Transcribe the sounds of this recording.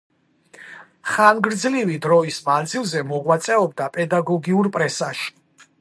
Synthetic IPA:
χanɡɾd̪zlivid̪ɾɔismand̪zilˠzɛmɔʁwat̪sʼɛɔb̚d̪apʼɛd̪aɡɔɡiuɾpʼɾɛsaʃi̥

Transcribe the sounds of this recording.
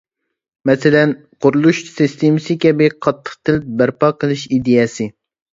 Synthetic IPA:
mɛsɪlɛn | qʰʊɾulˠuʃsist̪ʰemɪsɨkʲɛbɪqʰɑt̪ʰːə̥χt̪ʰɨlɪp̚bæɾpɑːqʰəlˠɨʃid̪ejɛsɨ

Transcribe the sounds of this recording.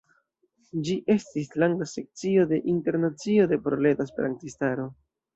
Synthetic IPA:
d͡ʒiʔe̞stislaŋɡase̞k̚t͡sio̞de̞ʔinte̞ɾnat͡sio̞de̞pɾole̞taspeɾa̰ntistaɾo̞

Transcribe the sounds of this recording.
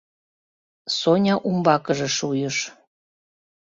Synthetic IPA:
sonʲɑʔumbɑkəʒeʃujəʃ

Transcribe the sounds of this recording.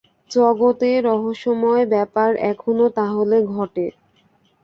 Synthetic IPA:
t͡ɕɔɡot̪eɾɔɦoʃomɔebɛpaɾɛkʰonot̪aɦoleɡʱɔʈe

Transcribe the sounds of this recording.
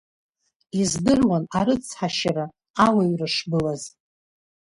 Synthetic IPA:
izdɨrwanaɾɨt͡sʰħaʃaɾa | awaɥrɨʂbɨlaz

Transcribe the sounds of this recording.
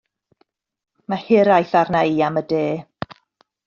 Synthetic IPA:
mahɪɾajθarnaiːamədeː

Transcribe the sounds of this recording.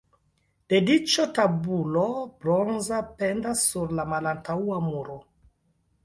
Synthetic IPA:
d̥e̞dit͡ʃotabulobɾonzapendasːuɾlamalantauamuɾo

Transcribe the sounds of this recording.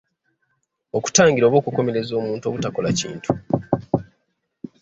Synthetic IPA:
o̞ku̥taːɲɟiɾo̞ːβo̞ːkuko̞me̞ɾe̞zo̞ːmuːntuo̞ːβutako̞lacḭːntʰu̥

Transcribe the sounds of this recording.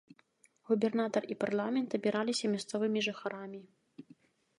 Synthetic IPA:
ɣubʲɛrnat̪ɐriparlˠamʲɛnt̪ɐbʲiɾalʲisʲɐmʲast̪sɔvɨmʲiʐɨxaɾamʲi

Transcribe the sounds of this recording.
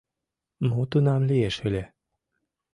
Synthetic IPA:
mot̪unɑmlieʃɘlʲe

